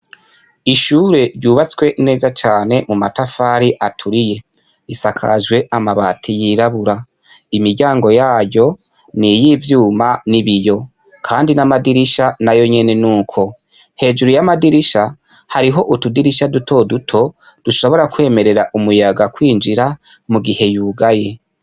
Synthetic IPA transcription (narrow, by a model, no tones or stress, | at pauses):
iʃuːɾe̞ɾɟuːβat͡swe̞ne̞ːzat͡ʃaːne̞mumatafaːɾiʔatʰuɾije̞ | isakʰa̰ʒɡwe̞ʔamaβaːtʰijiɾaβuɾa | imiɾɟaːŋɡo̞jaːjo̞ | nijivjuːmaniβijo̞ | kʰaːndinamadiɾiʃanajo̞ɲe̞ne̞nuːkʰo̞ | he̞ːʒuɾujamadiɾiʃa | haɾiɦo̞ʔutudiɾiʃadutʰo̞dutʰo̞ | d̥uʃo̞βo̞ɾakwe̞ːme̞ɾe̞ɾaʔumujaɡakwiːnd͡ʒiɾa | muɡihe̞juːɡaje̞